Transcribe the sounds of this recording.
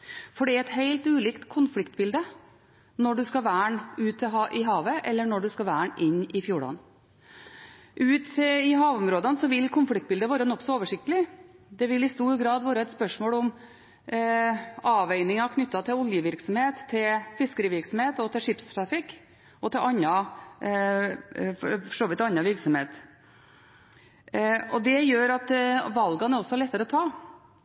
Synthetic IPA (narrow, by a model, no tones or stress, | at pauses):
fɔɖɛæɛt̪heɪlt̪ʉːliːkt̪kʰʊnflɪkt̪̚bɪld̪ə | nɔɖʉskɑʋæːɳʉːt̪ʰːɪɑʔɪɦɑːʋəʔɛlːəɳɔɖʉskɑʋæːɳʔɪnːɪfjuːɖɑ̰n | ʔʉːt̪ɪɦɑːʋʊmɾoːd̪ənsɔʋɪlkʰʊnflɪk̚t̪̚bɪld̪əʋɑːɾənɔkːsɔoːʋəʂɪkt̪əlɪd̪ɛʋɪlɪst̪uːɾɡɾɑːd̪ʋɑːɾəɛt̪spœʂmoːlɔm | ɑːʋæɪnɪŋɑkʰnʏt̪ːɑt̪ʰɪlɔljəʋɪɾksɔmheːt̪ʰːɪlfɪskəɾɪʋɪɾksɔm̩heːt̪ɔt̪ɪlʂɪpst̪ʰɾɑfɪkː | ɔt̪ʰɪlʔɑnːɑ | fɔfɔʂoːʋɪt̪ːɑnːɑʋɪɾksɔmheːt̪ | ɔd̪ɛjøːɾɑt̪ʋɑlɡɑnæɾɔsːɔɭɛt̪ːəɾəɔt̪ʰɑː